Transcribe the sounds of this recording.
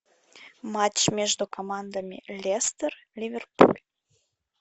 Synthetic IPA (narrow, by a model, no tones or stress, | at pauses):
mɑt͡ɕmʲeʒd̪ukomɑnd̪əmʲelʲest̪ərlʲivʲerpṵlʲ